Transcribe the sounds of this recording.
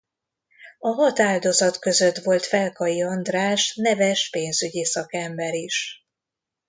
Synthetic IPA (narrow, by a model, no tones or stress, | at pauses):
ɒɦɒt̪aːld̪o̞zɒt̪kø̞zø̞t̪ʋo̞lt̪fɛlkɒjiɒnd̪raːʃnɛvɛʃpeːnzyɟisɒkɛmbɛɾiʃ